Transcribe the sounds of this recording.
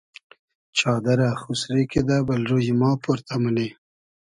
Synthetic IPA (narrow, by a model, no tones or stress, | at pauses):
t͡ʃɑːd̪aɾaxusɾeked̪abalɾojimɑːpoɾt̪ʰaməle